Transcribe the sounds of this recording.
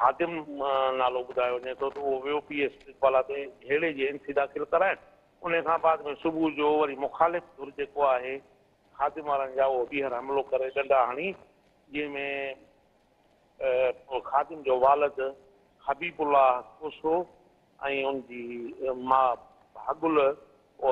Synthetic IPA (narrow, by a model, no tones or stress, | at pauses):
ɦaːd̪ɪmnaːloɓʊd̪ʱaːjoʋɐɲet̪ʰot̪ɐʊɦoʋjopiːeːsɪkʋaːlat̪eeːɽed͡ʑeɪ̃nsid̪aːxɪlkɐɾaːɦɪn | ʊn̤əkʰãːbaːd̪mẽsʊbʱud͡ʑoːʋɐɾimʊxaːlɪfd̪ʱʊɾd͡ʑeːkoaːɦe | xaːd̪ɪmʋaːɾə̃nɪ̆d͡ʑaːʊɦoɗiːɦəɾɦɐmlokɐɾeɗɐ̃ɳɖaɦaːɽ̃i | d͡ʑɪ̃ɦɪ̃mẽ | xaːd̪ɪmd͡ʑoːʋaːlɪd̪ | hɐbiːbʊlaːɦkʊso | ɛ̃ːʊnd͡ʑiːmaː | bʱaːɠʊl